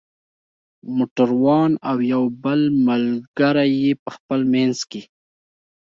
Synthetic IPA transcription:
moʈaɾwɑnawjawbəlməlɡaɾajepəxpəlmanzke

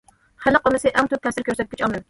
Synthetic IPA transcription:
hælɨqomɨsɪʔɛŋt̪ʰøp̚t̪ʰɛfsɪɾkʲʰøɾsɛt̪̚kʲɪ̥t͡ʃɑlmɨm

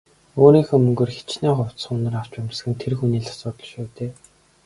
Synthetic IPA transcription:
oːɾiːŋxoːmɵŋɡɵ̆rxe̥t͡ɕnæːχʊw̥t̪sə̆ŋʊnə̆raw̥t͡ɕpæmʲsxɘ̆nt̪ʰerxuniːɮḁsʊːt̪ɮ̥ə̆ʃuːt̪eː

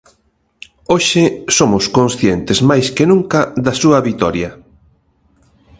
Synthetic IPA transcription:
oʃɪsomʊskonsθjent̪ɪzmajskenũŋkɐðɐsuɐβit̪ɔɾjɐ

